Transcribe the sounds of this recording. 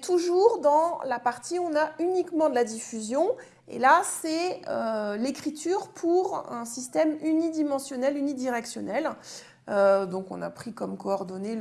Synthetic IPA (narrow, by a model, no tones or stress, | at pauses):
t̪ʰuʒuʁd̪ɑ̃lapaʁt̪iɔ̃naynikmɑ̃d̪əlad̪ifyzjɔ̃ | ḛlasɛølekχit̪yːʁpʰuʁɛ̃sist̪ɛmynid̪imɑ̃sjɔnɛlynid̪iʁɛksjɔnɛl | ød̪ɔ̃kɔ̰̃na̰pχikɔmkɔːʁd̪ɔne